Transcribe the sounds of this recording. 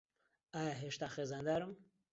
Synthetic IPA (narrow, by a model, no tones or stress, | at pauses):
ajaɦeʃt̪axezand̪aɾum